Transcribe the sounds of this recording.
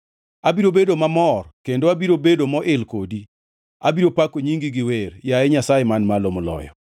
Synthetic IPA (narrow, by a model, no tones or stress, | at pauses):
abiɾobedomamɔrkendoabiɾobedomɔʔɪlkodi | abiɾopakoɲiŋɡiɡɪwerjaɛɲasajemanmalomɔlɔ̰jɔ̰